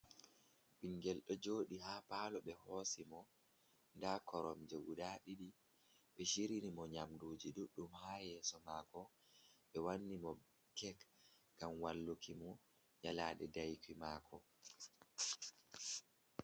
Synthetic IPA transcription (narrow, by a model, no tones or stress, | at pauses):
ɓiŋɡɛlɗɔd͡ʒoːɗiɦapalɔɓɛhɔsimɔ | ndakʰɔɾɔ̰md͡ʒoɡudaɗiɗi | ɓɛʃiɾinimɔɲamduːd͡ʒiduɗːumhaːjɛːsɔmaːkɔ | ɓɛwanːimɔ | kɛk | ɡamwalːukimɔ | jalaːɗɛdajkimaːkʰɔ